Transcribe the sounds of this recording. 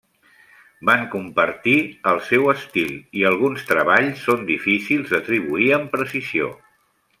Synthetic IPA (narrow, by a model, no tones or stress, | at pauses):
baŋkumpəɾt̪iəlˠsɛwəst̪iliəlˠɣ̞unst̪ɾəβaʎsːond̪ifisilˠzd̪ət̪ɾiβuiəmpɾəsizio̰